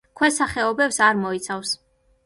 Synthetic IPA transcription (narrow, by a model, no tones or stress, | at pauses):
kʰwɛsaχɛɔbɛpsaɾmɔit̪sʰafs